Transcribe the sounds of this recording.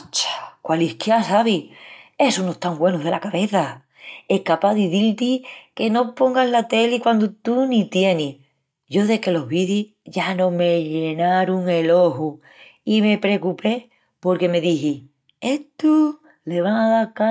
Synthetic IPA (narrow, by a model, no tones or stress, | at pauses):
t͡ʃḁkwalihkjasaβie̞sunot̪aŋɡwe̞nuðe̞lakaβe̞θa | e̞hkapaðiθilt̪ike̞no̞po̞ŋɡaɦlat̪e̞likwand̪ut̪unit̪je̞ni | ɟ͡ʝo̞ðe̞ke̞lo̞ɦβiði | ʝanõme̞ʎenaɾuŋe̞lo̞ɦu | ime̞pɾe̞kupe̞ | po̞ɾke̞me̞ðiɦi | e̞t̪u | le̞βaŋaðaɾka